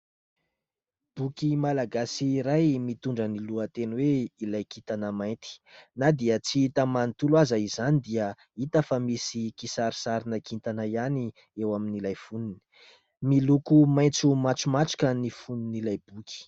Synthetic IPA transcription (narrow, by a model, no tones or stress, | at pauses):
b̥ukʲimalaɡasiːɾajmit̪uɳɖ͡ʐəniluət̪enweilajkit̪anəmajnt̪i̥nad̪iət͡siit̪əmanit̪uluazəizanid̪iə | it̪əfamisikisaɾi̥saɾinakʰint̪anaiani | ewaminilajfunini̥ | milukumaj̃nt͡sumaʈ͡ʂumaʈ͡ʂu̥kənifuninilajb̥ukʲi̥